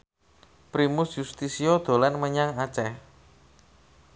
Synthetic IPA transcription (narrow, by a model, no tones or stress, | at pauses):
pɾimusjust̪isiod̪̥o̤lanməɲaŋat͡ʃɛh